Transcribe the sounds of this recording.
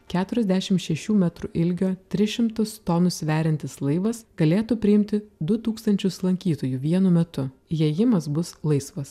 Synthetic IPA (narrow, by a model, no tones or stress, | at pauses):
kʲæːt̪ʊɾʲɛzʲd̪ʲæʃʲɪmʃʲɛʃʲuːmʲɛt̪ɾuʔɪlʲɡʲoːt̪ʲɾʲɪʃʲɪmt̪ʊst̪oːnʊsʋʲæːɾʲɪnʲt̪ʲɪslˠɐɪʋɐsɡ̥ɐlʲeːt̪upʲɾʲɪɪmʲt̪ʲɪd̪ʊt̪uːkst̪ɐnʲt͡ʃʲʊslˠɐŋʲkʲiːt̪oːjuːʋʲiɛnʊmʲɛt̪ʊjɛjɪmɐsbʊslˠɐɪsʋɐs